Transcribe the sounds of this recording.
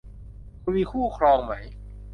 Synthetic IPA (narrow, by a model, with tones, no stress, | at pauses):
kʰu˧wiː˧kʰuː˥˩kʰɾɔː˧ŋma˦˥j